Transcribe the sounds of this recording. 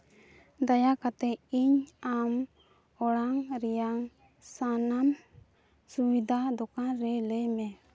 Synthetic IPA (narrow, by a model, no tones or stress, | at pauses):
d̪ajakat̪ɛiɲam | ɔɽaŋɾɛjaŋ | sanam | subid̪ʱad̪ɔkanɾɛləjmɛ